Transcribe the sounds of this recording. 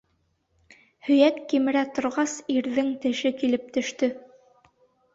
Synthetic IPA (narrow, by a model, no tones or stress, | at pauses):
hɵ̆jækːimɘ̆ɾæt̪ŏɾʁɑsiɾðɘŋt̪ɘ̆ʃɘkilɘp̚t̪ɵ̆ʃt̪ɵ